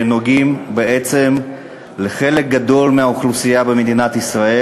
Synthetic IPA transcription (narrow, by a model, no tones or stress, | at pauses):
noɡimbeet͡se̞m | leχe̞le̞k̚ɡad̪o̞lmeaoχlusijabe̞med̪inat̪isʁae